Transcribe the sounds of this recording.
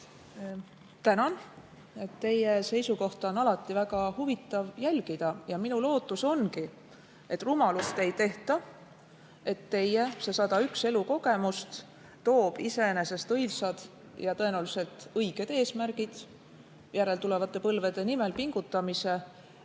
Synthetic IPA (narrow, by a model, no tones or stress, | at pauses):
t̪ænɑn | e̞t̪ːe̞je̞se̞jsuko̞ht̪ɑo̞nɑlɑt̪ːˑivæɡ̥ɑhuvit̪ːˑɑvjælʲɡid̪̥ɑjɑminulo̞ːt̪ːˑuso̞nki | ʔe̞t̪ːˑrumɑlust̪e̞jt̪e̞ht̪ɑ | e̞t̪ːe̞jese̞sɑd̪ɑykse̞luko̞ɡ̥e̞must̪ | t̪o̞ːb̥ise̞ene̞se̞st̪ɤjlsɑd̪̥ | jɑt̪ɤ̞e̞næwlise̞lt̪ɤjɡ̥e̞d̪̥e̞ːsmæɾɡ̥id̪̥ | jæɾe̞lt̪ule̞vɑt̪ːˑe̞pɤlve̞d̪̥e̞nime̞lpiŋɡ̥ut̪ːˑɑmise̞